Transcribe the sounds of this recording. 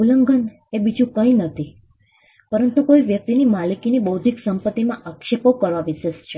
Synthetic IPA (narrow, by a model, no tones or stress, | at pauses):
uləŋɡən | ebid͡ʒũkəinət̪ʰi | pəɾənt̪ukoiʋjək̚t̪inimalikinibəwd̪ʱiksəmpət̪ːimãʔakʃepokəɾʋaʋiʃest͡ʃʰe